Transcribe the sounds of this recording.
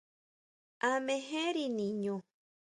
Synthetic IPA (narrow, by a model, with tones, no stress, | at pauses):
amẽ˧ɦe˦ɾinĩ˨ɲõ˨